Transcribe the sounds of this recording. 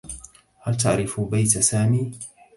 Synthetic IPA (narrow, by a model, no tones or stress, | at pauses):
halt̪aʕɾɪfbajt̪asaːmiː